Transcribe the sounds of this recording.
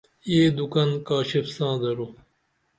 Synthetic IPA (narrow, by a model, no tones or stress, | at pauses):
eːd̪ukɐnkaːɕefsãːd̪ɐɾo